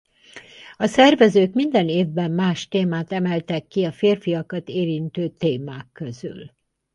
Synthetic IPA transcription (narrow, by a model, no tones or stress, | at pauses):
ɒsɛrvɛzøːkmind̪ɛneːvbɛmːaːʃt̪eːmaːt̪ɛmɛlt̪ɛkːiɒfeːrfijɒkɒt̪eːɾint̪øːt̪eːmaːkːøzy̰l